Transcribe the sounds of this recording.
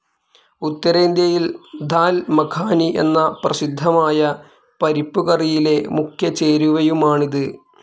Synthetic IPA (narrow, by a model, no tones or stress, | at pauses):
ut̪ːɐɾeːnd̪jɐjild̪ʱaːlmɐkʰaːniʔe̞̰nːɐprɐsid̪ʱːɐmaːjɐ | pɐɾipːuɣɐrijile̞mukʰjɐt͡ɕeːɾuʋɐjumaːɳiðɨ